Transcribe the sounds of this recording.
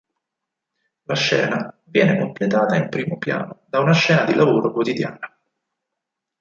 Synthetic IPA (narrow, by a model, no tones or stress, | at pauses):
laʃːɛ̰ːna | vjɛːnekomplet̪aːt̪aimpɾiːmopja̰ːnod̪aunaʃɛːnad̪ilʔavoːɾokwot̪id̪ja̰ːna